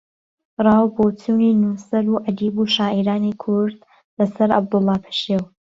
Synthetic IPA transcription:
rˤɑːwboːt͡sʰuːniːnuːsɐɾuːʔad̪iːbuʃaːʔiɾaːnikʰʊɾd̪ | lɐsɐɾa̰b̚d̪ʊlˠːɑːpʰə̥ʃew

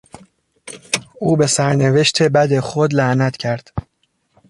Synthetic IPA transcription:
ʔuːbe̞sæɾne̞ve̞ʃt̪ʰe̞bæd̪exod̪læʔnæt̪ʰcʰæɾd̪̥

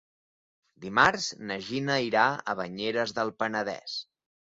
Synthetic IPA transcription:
d̪imarznəʒinəiɾaə̰βəɲeɾəzðəlˠpənəðɛ̰s

